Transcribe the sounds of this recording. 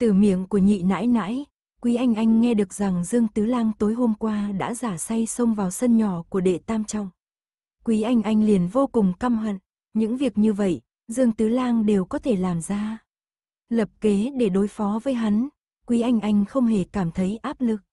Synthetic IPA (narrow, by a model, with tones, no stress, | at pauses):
t̪ɨ˧˨˩mḭ˧˨əŋku˧˩əɲḭ˧˨na̰ː˧˥jna̰ː˧˥j | kwi˨˦ʔa˧jŋ̟ʔa˧jŋ̟ːɛ˧ɗɨ˨˩ək̚za˨˩ŋzɨ˧əŋt̪ɨ˨˦laː˧ŋt̪o˨˦jɦo˧mkwaː˧ɗa̰ː˧˥zaː˧˩sa˧jsə˧wŋ͡mvaː˨˩wsə˧nɲɔ˧˩ku˧˩əɗḛ˧˨t̪aː˧mt͡ɕɔ̰˧˨wŋ͡m | kwi˨˦ʔa˧jŋ̟ʔa˧jŋ̟li˨˩ənvo˧kʊ˨˩ŋ͡mka˧mɦa̰˧˨ŋ | ɲɨ̰˧˥ŋvi˨˩ək̚ɲɨ˧və̰˧˨j | zɨ˧əŋt̪ɨ˨˦laː˧ŋɗe˨˩wkɔ˨˦t̪ʰe˧˩laː˨˩mzaː˧ | lə˨˩p̚ke˨˦ɗe˧˩ɗo˨˦jfɔ˨˦vəː˨˦jɦa˨˦n | kwi˨˦ʔa˧jŋ̟ʔa˧jŋ̟xə˧wŋ͡mɦe˧˩kaː˧˩mt̪ʰə˨˦jʔaː˦˥p̚lɨ˨˩k̚